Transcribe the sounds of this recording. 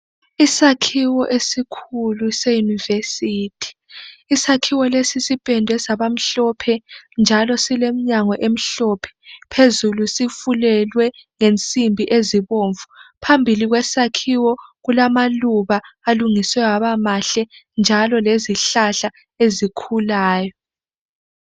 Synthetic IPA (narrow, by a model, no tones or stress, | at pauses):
isakʰiwɔʔesikʰulusejunivesiːtʰi̥ːsakʰiwɔlesisipʼɛndʱɛsaβam̩ɬɔpʰɛnd͡ʒʱalɔsilem̩ɲaŋɔʔem̩ɬɔpʰɛ̥pʰezulusifulɛlwɛŋent͡sʼimbʱiʔeziβoːɱvupʰambʱiliɣwɛsakʰiwɔɣulamaluβaaluŋiswɛwaβamaɬɛnd͡ʒʱalɔleziɬaɬa | ezikʰulaːjɔ